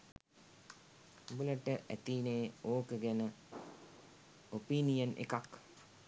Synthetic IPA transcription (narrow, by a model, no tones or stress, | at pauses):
buləʈəʔæt̪iːneːoːkəɡænə | opiːnijənʔḛkak